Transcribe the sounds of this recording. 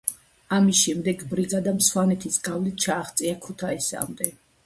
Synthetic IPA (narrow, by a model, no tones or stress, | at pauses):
amisʃɛmd̪ɛɡbɾiɡʼad̪amswanɛt̪ʰisɡavlit̪̚t͡ʃʰaːχt̪sʼiakʰut̪ʰaisa̰md̪ɛ